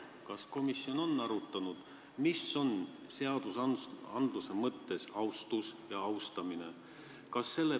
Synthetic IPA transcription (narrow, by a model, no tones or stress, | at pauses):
kɑsko̞misːjo̞no̞nːɑɾut̪ːˑɑnud̪̥ | misːo̞n | se̞ɑd̪̥usɑnd̪luse̞mɤt̪ːe̞sɑwst̪usjɑɑwst̪ɑmine̞̰ | kɑsːe̞lːe